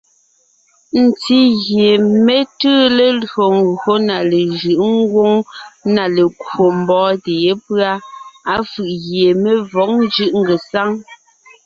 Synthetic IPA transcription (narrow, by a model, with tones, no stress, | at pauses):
n̩˨ti˦ɣje˨me˦tɨː˦le˨lɰo˨ŋ˨ɡo˦na˨le˨ʒɯ˨ʔŋ̩˦ɡwo˦ŋna˨le˨kwo˨m̩˨bɔː˨˦te˨je˦pɰa˦a˦fɯ˨ʔɣje˨me˦vɔ˨˦ŋ̚n˦d͡ʒɯ˦ʔŋ̩˦ɡe˨sa˦ŋ